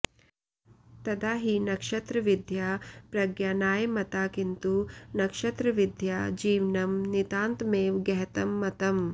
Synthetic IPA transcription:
t̪ɐd̪aːɦinɐkʂɐt̪ɾɐʋid̪ʱjaːpɾɐɡjaːnaːjɐmɐt̪aːkint̪unɐkʂɐt̪ɾɐʋid̪ʱjaːd͡ʒiːʋnɐmnit̪aːnt̪meːʋɡɐɦɐt̪ɐmːɐt̪ɐm

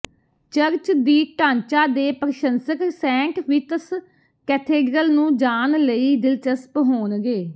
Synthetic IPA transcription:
t͡ʃəɾt͡ʃd̪iːʈãːɲt͡ʃaːd̪eːpəɾəʃənsəksɛ̃ːkʋɪt̪əs | kɛːʈʰeːɖɾəlnũːd͡ʒaːnləiːd̪ɪlt͡ʃəspɦoːnɡeː

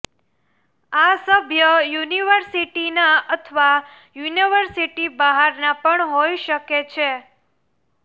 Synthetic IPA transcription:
asəbʱjəjuniʋəɾsiʈinaət̪ʰʋa | juniʋəɾsiʈibəɦaɾnapəɳɦojʃəket͡ʃʰe

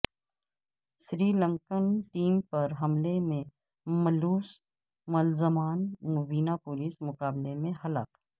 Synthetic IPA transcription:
ʃɾiːlə̃ŋkənʈiːmpɐɾɦɐmlemẽ | mɐluːs | mɐlzəmaːnmʊbiːnapʊliːsmʊkaːblemẽɦɐlaːk

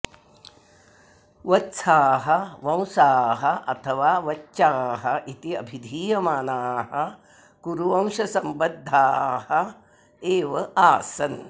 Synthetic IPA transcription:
ʋɐtːsʰaːɦɐ̆ʋɐ̃w̃saːɦɐʔɐt̪ʰɐʋaːʋɐtːʃaːɦɐʔit̪iɐ̰bʱid̪ʱiːjɐmaːnaːɦɐ | kuɾuʋɐ̃w̃ʃɐsɐmbɐd̪ʱːaːhɐ | eːʋɐʔaːsɐn

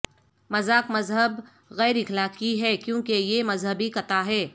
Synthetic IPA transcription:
mɐzaːkmɐzɦəb | ɣɛːɾɪxlaːkiɦɛːkjõːkejemɐzɦəbikɐt̪aɦɛː

